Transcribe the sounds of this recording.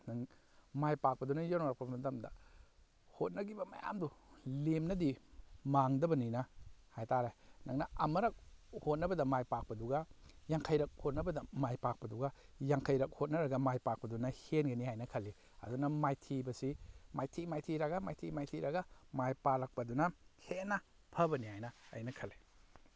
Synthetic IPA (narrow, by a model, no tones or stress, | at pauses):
nɐŋ | majpak̚pɐdunɐjawnaɾɐk̚pɐmɐtɐmdɐ̰ | hot̚nɐɡibɐmɐ̰ja̰mdulemnɐdimaŋdɐbɐninɐhajtaɾenɐŋnɐɐmɐɾɐk̚hot̚nɐbɐdɐmajpak̚pɐduɡɐjaŋkʰɐjɾɐk̚hot̚nɐbɐdɐmajpak̚pɐduɡɐjaŋkʰɐjɾɐk̚hot̚nɐɾɐɡɐmajpak̚pɐdunɐhenɡɐnihajnɐkʰɐlːi | ɐ̰dunɐmajtʰibɐsimajtʰimajtʰiɾɐɡɐmajtʰimajtʰiɾɐɡɐmajpalɐk̚pɐdunɐhenːɐ | pʰɐbɐnihajnɐ̰ːjnɐkʰɐle